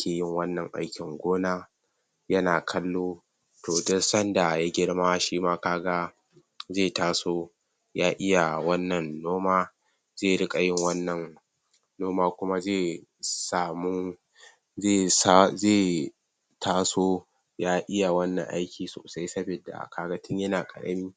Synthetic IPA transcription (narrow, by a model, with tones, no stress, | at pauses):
kʲeː˨jɪ˦ŋwɐ˦nːɐ˨ŋʔa̰˦jkʲɪ˨ŋɡʷoː˦naː˦ | jɐ˦naː˨kʰɐ˦lːoː˦ | toː˨dɔ˦sɐ˦nda˨ja˦ɡʲɪ˦ɽmaː˦ʃiː˦maː˦kaː˦ɡa˦ | zeː˦˨taː˦soː˦ | jaː˦ʔɪ˦ja˨wɐ˦nːɐ˨nːoː˦maː˦ | zeː˦˨ɽɪ˦kʼɐ˨jɪ˦ŋwɐ˦nːɐ˨n | noː˦maː˦kʷʊ˦ma˦zeː˦˨ | saː˨mʊ˦ | e˦˨sa˦zeː˦˨ | tʰaː˦soː˦ | jaː˦ʔɪ˦ja˨wɐ˦nːɐ̰˨ŋʔa̰˦jkʲiː˨so̰ː˨sa˦jsɐ˦be˨da̰˨kaː˦ɡɐ˦tɪ˦ɲjɐ˦naː˨kʼɐ̰˨ɽɐ̰˦miː˦